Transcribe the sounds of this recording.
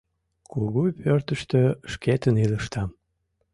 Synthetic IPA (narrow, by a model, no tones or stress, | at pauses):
kuɣupørt̪əʃt̪øʃket̪əniləʃt̪ɑm